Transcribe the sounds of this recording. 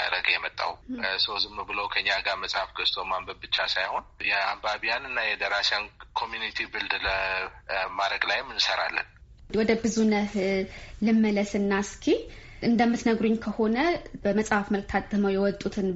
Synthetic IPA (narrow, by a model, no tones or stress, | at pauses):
aɾəɡjɛmət̪ʼːa̰wsəwzɨmnəwbɨləwkʰəɨɲːaɡaɾməsʼhafɡəst̪ʰomambəb̪̚bɨt͡ʃːasajho̞njɛa̰mbaβijanɨnːajɛd̪əɾasankʰo̞mjunit̪ʰibɨld̪lə | maɾəɡlajmːɨnsəɾa̰lːə̰n | wɔd̪əbɨzunəhlɨmːələsɨnːaskʰe | ʔɨnd̪əmːɨt̪nəɡɾuɲːkʰəho̞nəbəməsʼhafməlk̚t̪ʰat̪ʼːɨməwjɛwɔt̪ʼut̪ʰɨn